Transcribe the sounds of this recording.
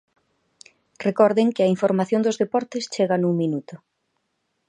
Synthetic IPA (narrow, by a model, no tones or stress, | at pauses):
rekɔɾðɪŋkɪɐiɱfoɾmaθjõnd̪ʊzðepɔɾt̪ɪst͡ʃeɣɐnuŋminut̪ʊ